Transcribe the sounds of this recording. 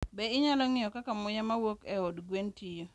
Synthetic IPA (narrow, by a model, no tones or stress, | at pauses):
bɛɪɲalɔŋɪɔkakamʊjamawokɛɔdɡwentijo